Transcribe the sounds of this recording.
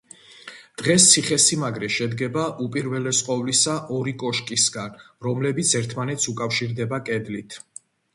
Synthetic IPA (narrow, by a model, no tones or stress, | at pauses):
d̪̥ʁɛs̬t̪sʰiχɛsimaɡɾɛʃɛd̪ɡɛbaʔupʼiɾvɛlɛsqʼɔvlisaʔɔɾikʼɔʃkʼisɡanɾɔmlɛbit̪sʰɛɾt̪ʰmanɛt̪sʰukʼafʃiɾd̪ɛbakʼɛd̪lit̪ʰ